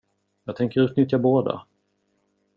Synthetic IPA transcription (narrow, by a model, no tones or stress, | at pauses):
jɑːɡ̚t̪ʰɛŋkəɾʉt̪nʏt̪jaboːd̪a̰